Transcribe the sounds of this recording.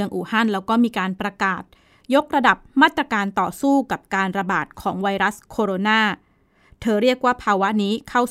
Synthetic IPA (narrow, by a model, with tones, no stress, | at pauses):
əŋʔuː˨˩ha˥˩nlɛː˦˥wkɔː˥˩miː˧kaː˧npɾa˧kaː˨˩t̪̚ | jo˦˥k̚ɾa˧da˨˩p̚maː˥˩t̪ːɾa˧kaː˧nt̪ɔː˨˩suː˥˩ka˨˩p̚kaː˧nɾa˧baː˨˩t̪̚kʰɔː˩˦ŋwa˧jɾa˦˥skʰoː˧ɾoː˧naː˥˩ | t̪ʰɤː˧ɾi˥˩ək̚waː˥˩pʰaː˧wa˦˥niː˦˥kʰa˥˩w